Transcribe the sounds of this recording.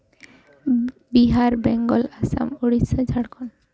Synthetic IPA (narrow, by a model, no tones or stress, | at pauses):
biɦaɾbɛŋɡɔlasa̰moɽisad͡ʑʱaɽkʰɔn